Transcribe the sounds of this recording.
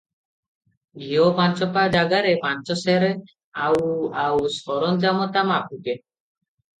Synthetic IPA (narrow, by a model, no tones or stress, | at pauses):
biopant͡ʃɔpad͡ʑaɡaɾepant͡ʃɔsɛɾe | awawsɔɾɔnd͡ʒamɔt̪amap̚ute